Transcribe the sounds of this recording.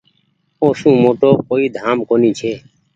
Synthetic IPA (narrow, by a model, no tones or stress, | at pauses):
oːsũːmoːʈoːkoːiːd̪ʱaːmkoːnĩːt͡ʃʰeː